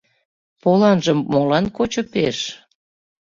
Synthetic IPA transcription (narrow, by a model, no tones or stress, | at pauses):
polɑnʒəmːolɑnkot͡ɕopeʃ